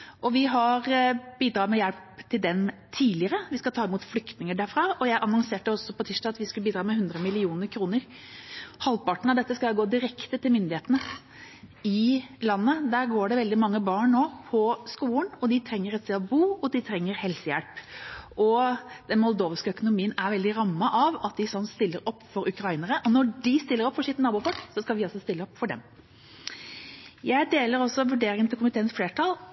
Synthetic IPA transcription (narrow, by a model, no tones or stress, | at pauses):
ʔɔʋɪɦɑɾbiːd̪ɾɑːmɛjælpt̪ʰɪld̪ɛnt̪ʰiːlɪəɾəʋɪskɑt̪ʰɑːɪmuːt̪flʏkt̪nɪŋəɖæːɾfɾɑːɔjæɪʔɑnɔŋseːʈːəɔsːɔpɔt̪ʰiʂdɑɑt̪ʋɪskʉlbiːd̪ɾɑːmɛhʉnd̪ɾəmɪlɪuːnəɾkʰɾuːnəɾ | hɑlpɑʈɳ̩ɑʋd̪ɛt̪ːəskɑɡoːd̪ɪɾɛkt̪ət̪ʰɪlmʏnd̪ɪheːt̪ənə | ɪlɑnːəd̪æɾɡoːɖɛʋɛld̪ɪmɑŋːəbɑːɳnoːpʰɔskuːlənɔd̪ɪt̪ʰɾɛŋːəɾɛt̪st̪ɛɔbuːɔd̪ɪt̪ʰɾɛŋːəɾhɛlsəjɛ̰lpɔd̪̥ɛnmɔld̪oːʋskəœkʊnʊmiːənæɾʋɛld̪ɪɾɑmːəʔɑʋɑt̪̚d̪ɪsɔnːst̪ɪlːəɾɔpːfɔɾʉkɾɑiːnəɾəʔɔnɔɖɪst̪ɪlːəɾɔpfɔʂɪt̪nɑːbuːfɔksɔskɑlʋɪɑlsɔst̪ɪlːəɔpːfɔɖɛ̰m | jæɪd̪eːləɾɔsːɔʋʉɖeːɾɪŋənt̪ɪkʊmɪt̪ʰeːənsfleːʈʰɑl